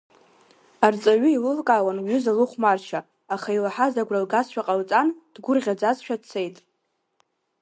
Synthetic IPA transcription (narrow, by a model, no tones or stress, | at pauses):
art͡sʼaɥʷʏilɨlkʼawanɥʷʏzalɨχʷmart͡ʃʰa | aχailaħazaɡʷralɡasʃᶣaqʼalt͡sʼand̥ɡʷʊrʁʲad͡zazʃᶣadt͡sʰe̞jtʼ